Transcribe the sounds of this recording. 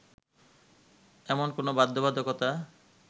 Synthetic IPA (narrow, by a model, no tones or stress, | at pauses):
ɛmonkonobad̪ːobad̪ʱokɔt̪a